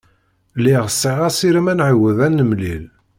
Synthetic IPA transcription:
lːiʁəsːiʁæsiɾəmænʕəwəðænːəmlil

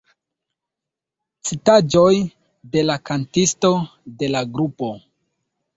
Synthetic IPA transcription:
t͡sitad͡ʒo̞j | de̞lakantisto̞de̞laɡɾupo̞

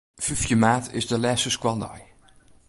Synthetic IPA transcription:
fyfjəmaːtʰɪ̰zdəlɛsəskwandɔj

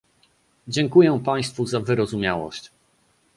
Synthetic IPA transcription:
d͡ʑɛŋkujɛpaj̃st̪fuzavɘɾɔzumʲjawɔ̰ɕt͡ɕ

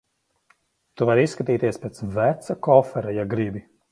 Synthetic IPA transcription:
t̪uvaɾisːkat̪iːt̪iɛspʲeːt̪svæt̪sakɔfɛɾajaɡɾibi

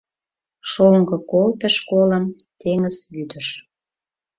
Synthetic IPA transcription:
ʃoŋɡɤ̆kolt̪əʃkoləmt̪eŋəz̥yd̪əʃ

